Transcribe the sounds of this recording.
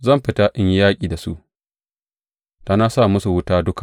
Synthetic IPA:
zɐ˦˨mɸɪ˨ta˦ʔɪ˦ɲ˦jaː˦kʲʼiː˨da˨su˦ʔ | taː˨na˦sa˦˨mʊ˦su˨wʊ˦taː˦dʊ˦kḁ˨

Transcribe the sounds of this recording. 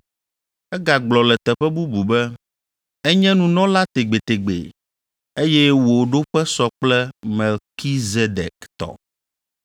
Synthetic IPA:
ɛ˦ɡa˨ɡ͡blɔ˨lɛ˨t̪ɛ˨ɸɛ˦bu˦bu˨bɛ˦ | ɛ˦ɲɛ̃˦nũ˨nɔ̃˦la˦t̪e˨ɡ͡be˨t̪e˨ɡ͡bḛ˨ | e˦jɛ˦wo˨ɖo˦ɸɛ˦sɔ˦k͡plɛ˦mɛ˨lki˦ze˦d̪ɛ̰˨kt̪ɔ̰˨

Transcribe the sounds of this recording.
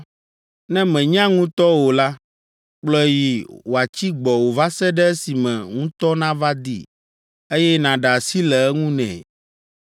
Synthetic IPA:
nɛ̃˦mɛ̃˨ɲ˦ã˦ŋũ˦t̪ɔ˦wo˨la˦ | k͡plɔ˦ji˨wo˨a˨t͡ɕi˦ɡ͡bɔ˨wo˨va˦sɛ˦ɖɛ˦si˨mɛ̃˨ŋũ˦t̪ɔ˦nã˦va˦d̪ḭ˦ | e˦jɛ˦nã˨ɖa˨si˦lɛ˨ɛ˦ŋũ˦nɛ̰̃˨

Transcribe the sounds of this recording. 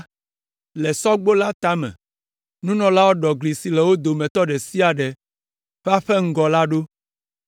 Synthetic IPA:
lɛ˨sɔ˦ɡ͡bo˦la˦t̪a˦mɛ̰̃˨ | nũ˦nɔ̃˨la˦wo˦ɖɔ˨ɡli˨si˨lɛ˨wo˦d̪o˨mɛ̃˨t̪ɔ˦ɖɛ˨si˦a˨ɖɛ˨ | ɸa˦ɸɛ˦ŋ̩˦ɡɔ˨la˦ɖo˦

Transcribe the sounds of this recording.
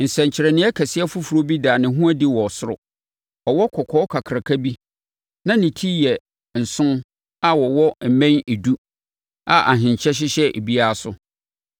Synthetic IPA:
n̩˨sɛ̃˨ɲ˨t͡ɕʰɪ˨ɾɛ˨nɪ̃˦ɛ˦kʰɛ˨sɪ˦ɛ˦fʊ˦fu˨ɾo˦bi˦daː˨nɪ̃˨ɦũ˦a˦di˦wɔ˨sʊ˦ɾʊ̰˨ | ɔ˨wɔ˦kʰɔ˨kʰɔ˦kʰa˨kʰɾa˨kʰa˦bi˦ | nã˦nɪ̃˨tʰi˦jɛ˨ | n̩˨sʊ̃˦n | a˦wɔ˨wɔ˦m̩˨mɛ̃˦ne˨du˦ | a˨ʔa̰˨ɦɪ̃˨ɲ˨t͡ɕʰɛ˦ɕ̬ɪ˦ɕɛ˦ʔḛ˨bi˦a˦sʊ˦

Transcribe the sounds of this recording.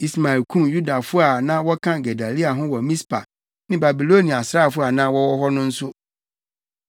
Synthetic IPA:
i˨sma˨ɛ˨lkʰũ˦mju˦da˨fʊ˦a˨nã˦wɔ˦kʰã˦ɡɛ˨da˨li˦a˨ɦʊ̃˦wɔ˨mĩ˦spʰa̰˨ | nɪ̃˦ba˨bi˨lo˦nĩ˨a˨sɾa˦˨fʊ˦a˨nã˦wɔ˦wɔ˦ɦɔ˦nʊ̃˦n̩˦sʊ˦

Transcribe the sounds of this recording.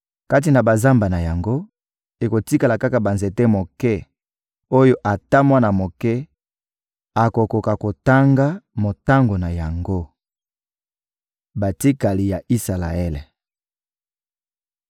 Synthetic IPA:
ka˦t̬i˨na˨ba˨za˦mba˨na˨ja˨ŋɡo˦ | e˨ko˨ti˦ka˨la˨ka˦ka˨ba˨nze˨tɛ˦mo˨kɛ˦ | o˦jo˦ʔa˨ta˦mwa˦na˨mo˨kɛ˦ | a˨ko˨ko˨ka˨ko˨ta˦ŋɡa˦mo˨ta˦ŋɡo˨na˨ja˨ŋɡo˦ | ba˨ti˦ka˨li˨ja˨ʔi˦sa˨la̰˨ɛ˦le˨

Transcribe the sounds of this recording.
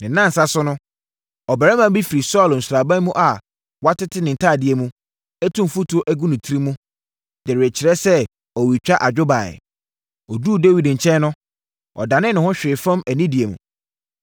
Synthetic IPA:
nɪ̃˨nːã˦n̩˨sa˦sʊ˦nʊ̃˦ | ɔ˨bæ˨ɾɛ˦mã˨mbi˦fi˨ɾi˨sɔ˦˨ln̩˨sʊ˨ɾa˨bã˦n˦mũ˦ʔa˨ | wa˦tɪ˦tʰɪ˦nɪ̃˨n̩˨tʰaː˦˨dɪ˨e˨mũ˦ | æ˦tʰũ˦m˨fu˦tʰu˨˦o˦ʔæ˦ɡũ˦nũ˨tʰi˦ɾi˦mũ˦ | d̥ɪ˨ɾɪ˨e˨t͡ɕʰɪ˨ɾɛ˦sɛ˦ | ɔ˨wi˨t͡ɕᶣa˦ʔa˨d͡ʑᶣʊ˦ba˨ɛ̰˨ | ɔ˨duː˦de˦wi˨dɲ̩˨t͡ɕʰɛ̃˦n˦nʊ̃˦ | ɔ̰˨dã˨nɪ̃˦nʊ̃˨hʊ̃˦ɕᶣɪ˨fã˦mæ˨nĩ˦di˨e˨mṵ̃˨

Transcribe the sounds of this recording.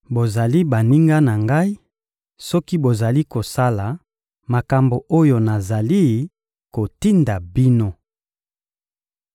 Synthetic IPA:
bo˨za˨li˦ba˨ni˦ŋɡa˦na˨ŋɡa˦i˦ | sɔ˦ki˦bo˨za˨li˦ko˨sa˦la˨ | ma˨ka˨mbo˨ʔo˦jo˨na˨za˨li˦ | ko˨ti˦nda˨bi˦no˦

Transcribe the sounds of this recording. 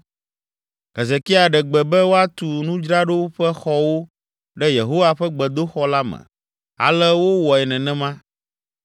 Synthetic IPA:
ɦɛ˨ze˨ki˦a˨ɖɛ˨ɡ͡bɛ˨bɛ˦wo˦a˦t̪u˨nũ˦d͡ʒɾa˦ɖo˦ɸɛ˦xɔ˦wo˦ | ɖɛ˦je˨ɦo˦wa˦ɸɛ˦ɡ͡bɛ˨d̪o˦xɔ˦la˦mɛ̰̃˨ | a̰˨lɛ˦wo˦wɔ˨ɛ˨nɛ̃˨nɛ̃˦mã˦

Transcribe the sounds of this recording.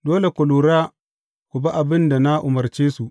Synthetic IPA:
doː˦le˨kʷʊ˨luː˨ɾaː˦ | kʷʊ˨ba˦ʔa˨bɪ˦nda˨na˦ʔʊ˨mɐ˨rt͡ʃeː˦su˨ʔ

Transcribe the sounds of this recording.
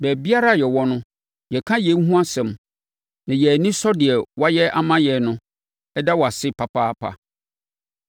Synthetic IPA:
bæ˨bi˦a˦ɾa˦˨jɛ˨wɔ˦nʊ̃˦ | jɛ˨kʰã˦jɛ̃˨˦n˦ɦũ˦a˦sɛ̃˨m | nã˨jɛ˨æ˨nĩ˦sɔ˦dɪ˨ɛ˨wa˦jɛ˦ʔa˨mã˦jɛ˨nʊ̃˦ | ɛ˦da˦wa˨sɪ˦pʰa˨pʰaː˦pʰa̰˨

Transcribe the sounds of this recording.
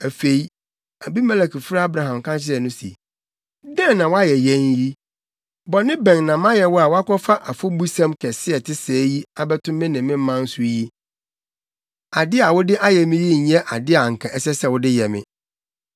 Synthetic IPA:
æ˨fe˨i˦ | æ˨bi˦mɛ˦lɛ˨kʰi˨fɾa˦a˦bɾa˨ɦã˨m˨kʰã˦nt͡ɕɪ˦ɾɛ˨nʊ̃˦sḭ˨ | dɛ̃˦nnːã˨wa˦jɛ˨jɛ̃˦nji˦ | bɔ˨nɪ̃˦bɛ̃˨ŋnã˨mã˦jɛ˨wɔ˦a˨wa˦kʰɔ˦fa˦ʔa˨fʊ˦bu˦sã˦mkʰɛ˨sɪ˦ɛ˨tʰɪ˦sɛː˨˦ji˦a˦bɛ˦tʰʊ̃˦mː˦ɛ̃˦nɪ̃˨mːɪ̃˦m˦mã˦n̩˦sʊ˦ji˦ | a˨dɪ˦a˨wʊ˦dɪ˦ʔa˦jɛ˨mɪ̃˦ji˦˨˦ɛ˦ʔa˨dɪ˦a˨ŋ̩˨kʰã˨ɛ˦sɛ˦sɛ˦˨wʊ˦dɪ˦jɛ˨mɪ̰̃˦

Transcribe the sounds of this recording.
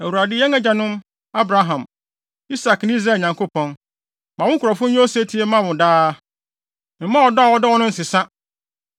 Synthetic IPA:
æ˨wu˨ɾa˨dɪ˦jɛ˦ŋɛ˦d͡ʑa˨nʊ̃˦m | a˦bɾa˦ɦã˨m | i˦sa˨kñ˦i˦zɾaː˦˨ɲã˨ŋkʰo˦pʰɔ̃˦n | mã˨wʊ̃˦ŋ˦kʰʊ˨ɾɔ˨fʊ̃˦n˦o˦se˦tʰi˦e˦mã˦wʊ̃˨daː˦˨ | mã˦ɔ˨dɔ˦a˨wɔ˦dɔ˦wɔ˦nʊ̃˦n̩˨sɪ˨sa˦

